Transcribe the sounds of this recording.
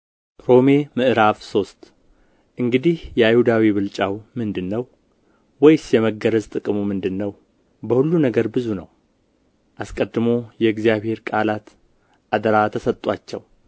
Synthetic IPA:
ɾo̞me̞mɨʔɾavso̞st̪ | ʔɨŋɡɨd̪ihjɛajhud̪awiβɨlt͡ʃʼawmɨnd̪ɨnːəw | wɔjsjɛməɡəɾəzt̪ʼɨkʼmumɨnd̪ɨnːəw | bəhulːunəɡəɾbɨzunəw | ʔaskʼəd̪ːɨmo̞jɛɨɡzijaβhe̞ɾkʼalat̪ | ʔad̪əɾat̪ʰəsət̪ʼːwat͡ʃːɛw

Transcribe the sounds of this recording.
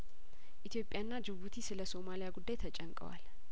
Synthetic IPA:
ʔit̪ʰjo̞pʼjanːad͡ʒɨβut̪ʰisɨləso̞malijaɡud̪ːajt̪ʰət͡ʃʼɛŋkʼə̰wa̰l

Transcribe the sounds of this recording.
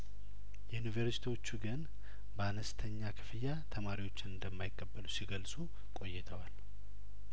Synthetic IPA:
jɛunivəɾsi̥t̪ʰiwo̞t͡ʃːuɡɨn | bəanəst̪ʰəɲːakʰɨ̥fɨjat̪ʰəmaɾiwo̞t͡ʃːɪnɨnd̪əmːajɪkʼːəbːəlusiɡəlsu | kʼo̞jːɛt̪ʰəwal

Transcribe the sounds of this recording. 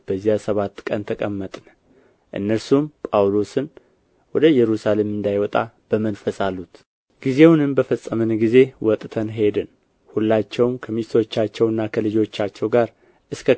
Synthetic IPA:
b̥əzːijasəβat̪ːkʼənt̪ʰəkʼəmːət̪ʼnə | ʔɨ̰nːəɾsumpʼawlo̞sɨn | wɔd̪əjɛɾusale̞mɨnd̪ajwɔt̪ʼa̰b̥əmənfəsʼalːut̪ | ɡ̥ize̞wnɨmbəfəsʼːəmɨnɡize̞wɔt̪ʼt̪ʰənɦe̞d̪ɨn | hulːat͡ʃːɛwmkʰəmist̪ʰo̞t͡ʃːat͡ʃːɛwɨnːakʰəlɨd͡ʒo̞t͡ʃːat͡ʃːɛwɡaɾ | ʔɨskʰə

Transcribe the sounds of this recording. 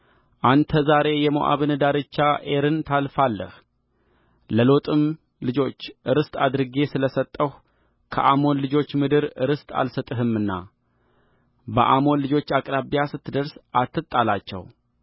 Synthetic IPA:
ʔant̪ʰəzaɾe̞jɛmoʔa̰βɨnɨd̪aɾɨt͡ʃːaʔe̞ɾɨnt̪ʰalfalːə̰h | ləlo̞t̪ʼɨm | lɨd͡ʒo̞t͡ʃːɨɾɨst̪ʼad̪ɾɨɡe̞sɨləsət̪ʼːəh | kʰə̰ʔamo̞nlɨd͡ʒo̞t͡ʃːmɨd̪ɨɾɨɾɨst̪ʼa̰lsət̪ʼɨɦɨmːɨnːa̰ | bə̰ʔamo̞nlɨd͡ʒo̞t͡ʃːakʼɾaβijasɨt̪ːɨd̪əɾsʔat̪ːɨt̪ʼːalat͡ʃːɛ̰w

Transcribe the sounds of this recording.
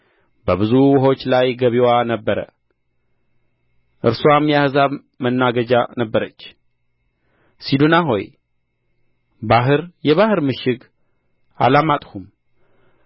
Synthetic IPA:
bəβɨzuwʊɦo̞t͡ʃːlajɡəβiwanəbːəɾə̰ | ʔɨɾsuamjahzaβ | mənːaɡəd͡ʒanəbːəɾət͡ʃː | sid̪unaɦo̞̰j | baɦɨɾjɛβahɨɾmɨʃɪɡ | a̰lamat̪ʼhum

